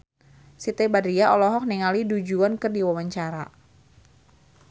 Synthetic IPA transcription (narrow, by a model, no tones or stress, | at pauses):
sit̪ebadɾiaʔɔlɔɦɔk̚niŋalidud͡ʒuankɨrdiwawaɲt͡ʃaɾa̰